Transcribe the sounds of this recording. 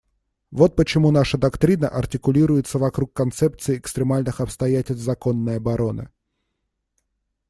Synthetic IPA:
vo̞t̪̚pət͡ɕɪmunaʂəd̪ɐkt̪ɾʲinəʔɐrtʲɪkʊlʲiɾʊjɪt̪səvɐkɾukːɐnt̪sɛpt̪sɨɪɪkst̪ɾʲɪmalʲnɨxɐpst̪ɐjætʲɪlʲsʲvzɐko̞nːəjɐbɐɾo̞nɨ̰

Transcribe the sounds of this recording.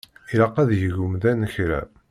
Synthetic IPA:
iɾɑqːæðjəʝʊmðænəçɾæ̰

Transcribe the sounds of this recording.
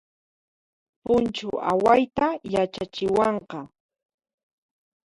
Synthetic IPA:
pʊnt͡ʃʊʔa̰wajt̪ajat͡ʃat͡ʃɪwɑɴqɑ

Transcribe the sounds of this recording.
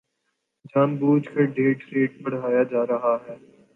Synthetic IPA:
d͡ʒaːnbuːd͡ʒkeɖeːʈɾeːʈ̚bɐɽ̤ɦaːjad͡ʒaːɾɐɦaɦɛː

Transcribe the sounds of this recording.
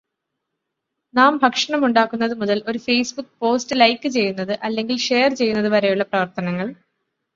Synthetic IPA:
naːmbʱɐkʂɐɳɐmuɳɖaːkːunːɐðɨmuðɐlʔo̞ɾufejsbukːɨpo̞ːstɨlɐjkːɨt͡ɕe̞jːunːɐðɨʔɐlːe̞ŋɡilʂe̞ːɐrt͡ɕe̞jːunːɐðɨʋɐɾejuɭːɐprɐʋɐrt̪ɐnɐŋːɐɭ

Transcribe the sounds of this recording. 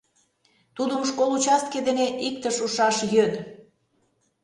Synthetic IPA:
t̪ud̪əmʃkolˠut͡ɕɑst̪̚ked̪eneʔik̚t̪əʃuʃɑʃjøn

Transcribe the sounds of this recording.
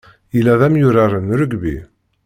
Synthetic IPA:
ilːæðæmjʊɾaɾənɾəɡbḭ

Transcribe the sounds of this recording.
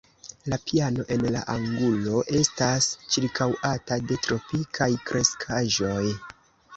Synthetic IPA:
lapiano̞ʔe̞nla̰ʔaŋɡulo̞ʔe̞stast͡ʃiɾkʰawatade̞tɾo̞pikʰajkɾʔe̞skʰaʒo̞j

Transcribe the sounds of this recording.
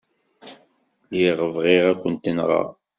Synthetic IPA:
ljiʁəvʁiʁækʷːənt̪ːənʁɑ̰

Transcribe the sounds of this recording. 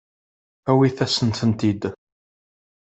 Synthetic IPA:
æwiθæsənt̪ənt̪id̪

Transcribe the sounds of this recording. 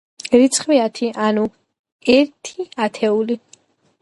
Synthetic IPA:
ɾit̪sʰχwiat̪ʰiʔanu | ɛɾt̪ʰiat̪ʰɛuli

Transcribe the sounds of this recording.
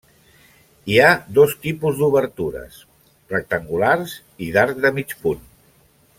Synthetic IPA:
iad̪ost̪ipuzd̪uβəɾt̪uɾə̰s | rək̚t̪əŋɡulaɾz | iðaɾd̪əmit͡ʃpun

